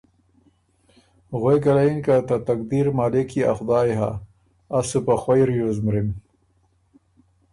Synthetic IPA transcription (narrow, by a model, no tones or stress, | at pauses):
ɣojkɐlainkat̪at̪ak̚d̪iɾmaːlikia̰xʊd̪aːjɦa̰ː | supaxwajɾjozmɾim